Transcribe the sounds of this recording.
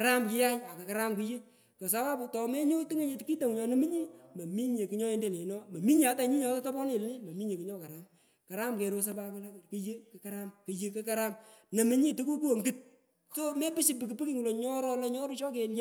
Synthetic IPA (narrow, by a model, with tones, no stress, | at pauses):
ka˨ɾa˦mki˦ja˦ɲa˨ke˨ka˨ɾa˦mku˦je˦ | ko˨s̬a˦wa˦pʊ˨tɔ˨me˦ɲo˦ti˦ŋe˦ɲe˨tki˦to˨ŋ˨ɲɔ˨nɐ˦mi˦ɲi˦mɐ˨mi˦ɲe˨ki˨˦ɲɔ˦e˦nde˦˨le˨˦nɔ˦mɐ˨mi˦ɲe˨a˨˦ta˦ɲi˦ɲɔ˨˦tɔ˦tɔ˦bɔ˦ne˨lne˦mɐ˨mi˦ɲe˨ki˦ɲɔ˦ka˨ɾa˨˦m | ka˨ɾa˦mke˨ɾo˦s̬a˦pa˦kla˦˨ki˦je˦ke˨ka˦ɾa˦mkɨ˨je˦ke˦ka˦ɾa˦mnɐ˨mi˦ɲi˦tu˦ku˦ku˦o˨ŋɡɨ˦t̚ | so˦me˦pɪ˦si˦p̬i˨ki˨pi˦ki˦ŋu˨lo˨ɲɔ˦ɾɔ˦lɔ˦ɲɔ˦ɾu˦t͡ʃɔ˦ke˨nje˦